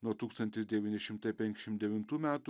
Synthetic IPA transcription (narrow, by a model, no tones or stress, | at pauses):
nuɔt̪uːkst̪ɐnʲt̪ʲɪsd̪ʲɛʋʲiːnʲɪʃʲɪmt̪ɐɪpʲɛŋkʲɪʃʲɪmt̪d̪ʲɛʋʲɪnt̪uːmʲæːt̪ʊ